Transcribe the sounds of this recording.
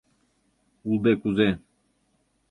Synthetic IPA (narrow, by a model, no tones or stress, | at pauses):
uld̪ekuzɛn